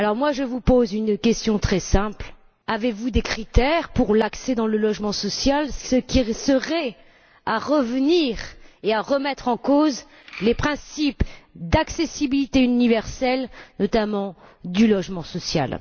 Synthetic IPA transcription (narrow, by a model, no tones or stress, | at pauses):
alɔʁmwaʒəvupozynkʲɛst̪jɔ̃t̪χɛsɛ̃pl | avevud̪ekχit̪ɛʁpuʁlaksɛd̪ɑ̃ləlɔʒmɑ̃sɔsjalsəkʲisəʁɛ | aʁəvəniʁeaʁəmɛt̪χɑ̃koz | lepχɛ̃sipd̪aksesibilit̪eynivɛʁsɛlnɔt̪amɑ̃d̪ylɔʒmɑ̃sɔsja̰l